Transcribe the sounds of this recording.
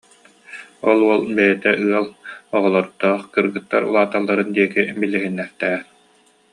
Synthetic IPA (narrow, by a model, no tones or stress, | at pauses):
ɔlˠuɔlˠbɛjɛt̪ɛʔɯɐlˠɔʁɔlˠɔɾt̪ːɔːχkɯɾɡɯt̪ːaɾṵlˠaːt̪alˠːaɾɯnd̪iɛkibilːiɦinːɛχt̪ɛːɾ